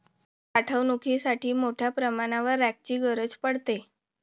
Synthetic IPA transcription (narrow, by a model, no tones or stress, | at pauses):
kaʈʰəʋnukʰisaʈʰiːmoʈʰjapɾəmaɽ̃aʋəɾːak̚t͡ɕiːɡəɾəd͡zpəɽt̪e